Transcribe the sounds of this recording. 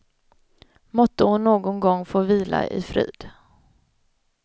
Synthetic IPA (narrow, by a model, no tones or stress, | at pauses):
mɔt̪ːəhʊnːoːɡʊnɡɔŋːfoːviːla̰ʔɪ̰fɾḭːd̪̥